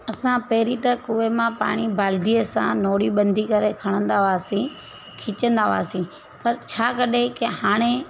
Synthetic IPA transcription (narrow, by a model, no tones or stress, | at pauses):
ɐsãpɐɦɪɾit̪ɐkʊʋemãpa̰ːɽ̃ibaːld̪iəsã̰noːɽiɓɐ̃nd̪ʱikɐɾekʰɐɽ̃ə̃nd̪aʋaːsĩ | kʰɪt͡ʃə̃nd̪aʋa̰ːsĩ | pɐɾt͡ɕʰaːkɐɗekehaːɽ̃e